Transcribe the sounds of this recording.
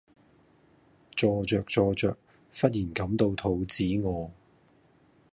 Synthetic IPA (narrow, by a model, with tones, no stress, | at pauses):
t͡sɔː˧t͡sœː˨k̚t͡sɔː˧t͡sœː˨k̚ | fɐ˥t̚jiː˨˩nkɐ˨˥mt̪o˧wt̪ʰo˨˥wt͡siː˨˥ŋɔː˨˧